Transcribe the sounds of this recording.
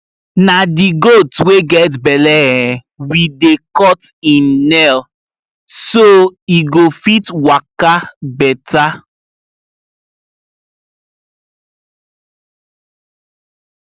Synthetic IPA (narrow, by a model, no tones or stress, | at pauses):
nadiɡotweɡɛtbɛlɛɛ̃ | widekɔt | ĩnːɛl | soiɡofitwakabɛta